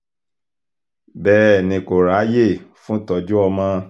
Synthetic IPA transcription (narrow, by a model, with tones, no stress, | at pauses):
bɛː˦˨nĩ˧ko˨ɾa˨˦je˦˨fũ˦tɔ˨d͡ʒu˦ɔ˧mã˦